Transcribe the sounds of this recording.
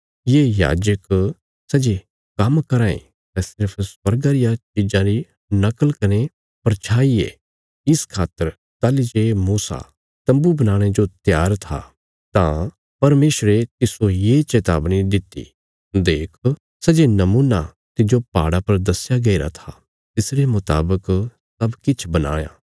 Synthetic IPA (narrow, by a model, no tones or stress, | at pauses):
jeːja̰ːd͡ʒək | sɐd͡ʒe | kɐmkɐɾãːḛ̃ | t̪ɛ̃sɪɾpʰswɐɾɡaɾɪjat͡ʃɪd͡ʒãɾi | nɐkəlkɐne | pɐɾt͡ʃʰaːiḛ | ɪskʰaːt̪ːəɾ | t̪aːlid͡ʒeːmuːsa̰ | t̪ɐ̃mbubɐnãːɽ̃ed͡ʒot̪jaːɾt̪ʰa̰ | t̪ã | pɐɾmeːʃɾet̪ɪsojet͡ʃeːt̪a̰ːbnid̪ɪt̪ːḭ | d̪eːkʰ | sɐd͡ʒenɐmuːna | t̪ɪd͡ʒopaːɽapɐɾd̪ɐsɪjaɡɐiɾa̰t̪ʰa | t̪ɪsɾemʊt̪a̰ːbək | sɐbkɪt͡ʃʰbɐna̰ːja̰ː